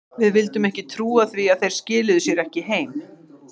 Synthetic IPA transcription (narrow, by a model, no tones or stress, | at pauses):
vɪðvɪlt̪ʏmɛhcɪt̪ʰɾuːaθviaðθejɾ̥scɪːlɪðʏsjɛɾɛhcɪɦeːjm